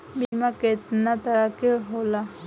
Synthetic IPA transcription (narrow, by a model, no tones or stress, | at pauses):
mimaket̪nat̪aɾakeɦola